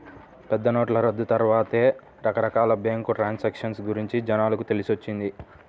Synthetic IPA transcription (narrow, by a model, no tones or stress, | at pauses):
pɛd̪ːɐnoːʈlɐɾɐd̪ːut̪ɐɾʋaːt̪eː | ɾɐkɐɾɐkaːlɐbeːŋkuʈɾaːnsɐkʂɐnsɡuɾiɲt͡ʃid͡ʒɐnaːlɐkut̪e̞lisʋot͡ʃːind̪i